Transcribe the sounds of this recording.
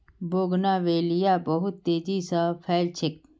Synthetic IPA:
boːɡnaːʋeːlijaːbɐɦʊt̪ːeːd͡ʑiːsapʰɛːlt͡ʃʰɪk̚

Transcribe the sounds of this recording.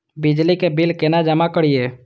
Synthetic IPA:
bid͡ʒlikebilkenad͡ʒəmakəɽije

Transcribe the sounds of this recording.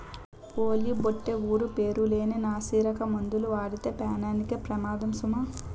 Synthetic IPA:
poːliboʈːeuːɾupe̞ːɾule̞ːninaːsiːɾɐkɐmɐnd̪uluʋaːɽit̪eːpaːnaːnikepɾɐmaːd̪ɐmsumɐ

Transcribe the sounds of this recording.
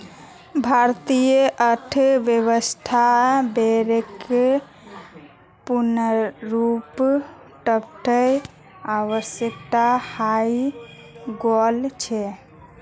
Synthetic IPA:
bʱaɾt̪ijəʔəʈʰʋjeβəst̪ʰabeɾekːe | punəɾup | ʈəpʈʰəj | aʋəsjək̚t̪ahai | ɡɔlt͡ʃʰɛ

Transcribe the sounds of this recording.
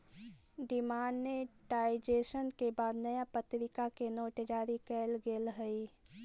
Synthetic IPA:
ɖ̪ɪmaːnmeʈaːɪd͡ʒeːʃənkebaːd̪nɐjapət̪ɾɪkakenoːʈd͡ʒaːɾikɛːlɡeːlɦəi

